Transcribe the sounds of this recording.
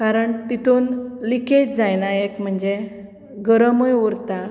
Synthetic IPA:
kaɾəɳt̪it̪unliket̪d͡zajnajekm̤əɳd͡ʑe | ɡəɾəmojuɾt̪a

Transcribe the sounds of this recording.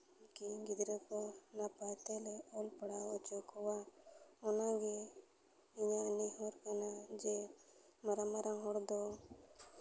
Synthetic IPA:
kiɡid̪ɾəkɔnapajt̪ɛlɛɔlpaɽaɔt͡ʃɔkɔwaɔnaɡɛ | iɲanihɔɾkanad͡ʒɛmaɾamaɾaŋɦɔɽd̪ɔ

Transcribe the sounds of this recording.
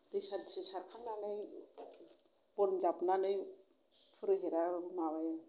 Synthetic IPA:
disaɾdisisaɾkʰaŋnanɯj | bɔɾmzapnanɯj | pʰɯɾɯɦeɾabɯmaβaja

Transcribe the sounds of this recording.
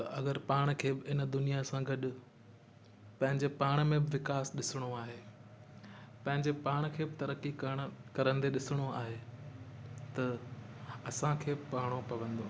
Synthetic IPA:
t̪ɐʔɐɡəɾpaːɽ̃kʰeːbɪɪnd̪ʊnijasãɡɐɗʊ̆ | pɐ̃ɦɪ̃ɲd͡ʑepaːɽ̃mẽbɪʋɪkaːsɗɪsɪɽ̃oaːɦeː | pɐ̃ɦɪ̃ɲd͡ʑepaːɽ̃kʰeːbɪt̪ɐɾəkikɐɽ̃kɐɾə̃nd̪eɗɪsɪɽ̃oaːɦe | t̪ɐ | ɐsãkʰeːbɪpaːɽ̃opɐʋə̃nd̪oː

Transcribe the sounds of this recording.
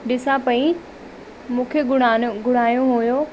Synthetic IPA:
ɗɪsãpɐĩ | mũːkʰeɡʊɽaɡʊɽ̤aːjoɦojo

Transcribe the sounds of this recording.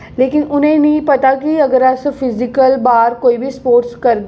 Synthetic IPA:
leːkɪnʊnɦẽnɐĩpɐt̪akiɐɡəɾasfʰɪzɪkəlbaːɾkoːibʱispoːɾʈskɐɾd̪

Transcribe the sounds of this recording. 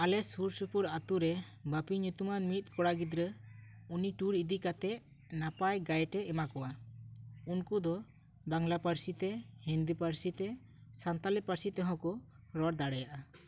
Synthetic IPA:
alɛsuɾsupuɾat̪uɾɛ | bapiɲut̪umanmit̪̚kɔɽaɡid̪ɾə | uniʈuɾid̪ikat̪ɛʔ | napajɡajʈɛɛmakɔwa | unkud̪ɔ | baŋlapaɾsit̪ɛhind̪ipaɾsit̪ɛ | sant̪alɛpaɾsit̪ɛɦɔ̃kɔ | ɾɔɽd̪aɽɛjaʔa

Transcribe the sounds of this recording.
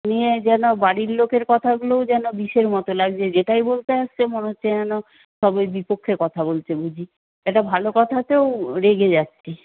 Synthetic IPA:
nied͡ʑɛnobaɽiɾlokeɾkɔt̪ʰaɡulowd͡ʑɛnobiʃeɾmɔt̪olaɡd͡ʑed͡ʑeʈajbolt̪eaʃt͡ɕʰemoneɦotːʰeɛno | ʃɔbojbipokʰːekɔt̪ʰabolt͡ɕʰebud͡ʑʱi | eʈabʱalokɔt̪ʰat̪ewɾeɡed͡ʑatːɕʰi

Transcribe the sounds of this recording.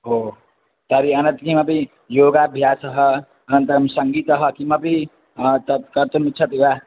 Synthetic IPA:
ɦo | t̪ʌɾiʌnʌnt̪ikimapiĩ | joɡabʱjasʌɦʌ | ɐnʌnt̪ɐɾmsʌŋɡiːt̪ʌɦʌkimʌpi | t̪ʌkʌɾt̪umut̪ːt͡ʃʰʌt̪iwa

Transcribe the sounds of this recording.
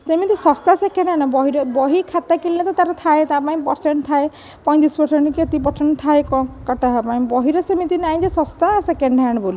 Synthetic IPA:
semit̪isɔst̪asekeɳɖaɽ̃ɔbɔɦiɾɔbɔɦikʰat̪akililet̪ɔt̪aɾɔt̪ʰaet̪apaĩpɔɾseɳʈt̪ʰae | pɔj̪̃t̪ispɔɾseɳʈkiet̪ipɔɾseɳʈt̪ʰaekɔkaʈaɦapaĩbɔɦiɾɔsemit̪inaj̃d͡ʒesɔst̪asekeɳɖaɽ̃ɔboli

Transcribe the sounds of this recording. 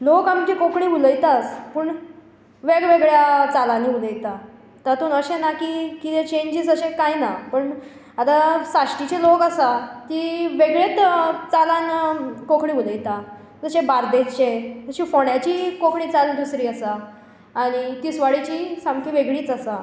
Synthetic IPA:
lokamkikokʰɳiːuləjt̪aspuːɳ | ʋeɡʋeɡɭjat͡salaniːuləjt̪a | t̪at̪unəɕenakikit̪et͡ɕeɲd͡ʑiːsəɕekajnapəɳ | at̪asaʂʈit͡ɕelokəsat̪iʋeɡɭet̪t͡salãnkokʰɳĩːuləjt̪a | d͡zəɕẽbaɾd̪et͡ɕeəɕifoɽjat͡ɕiːkokʰɳiːt͡sald̪usɾiːəsaː | ɽ̃it̪iːsʋaɽit͡ɕiːsãmkiʋeɡɭiːt͡sasa

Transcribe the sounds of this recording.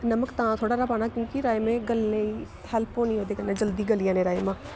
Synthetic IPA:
nɐməkt̪ãːt̪ʰoːɽaɾapaːnakjõːkiɾaːemẽɡəlːei | ɦɛlponĩɦoːd̪eːkənãd͡ʒəld̪iɡəlijaːnẽɾaːemã

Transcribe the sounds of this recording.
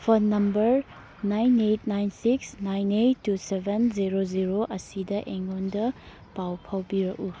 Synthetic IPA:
pʰɐnɐmbɐɾ | najnet̚najnsiksnajnetːusebʱenziɾoziɾoʔɐsidɐʔeŋondɐ | pawpʰawbiɾɐku

